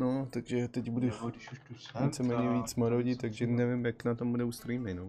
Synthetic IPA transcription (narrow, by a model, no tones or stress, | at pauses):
not̪aɡʒɛt̪ɛcbudʊ | vit͡sɛmɛːɲɛviːt͡smaɾoɟɪt̪aɡʒɛnɛvɪmjaknat̪ombudɛust̪ɾimɛno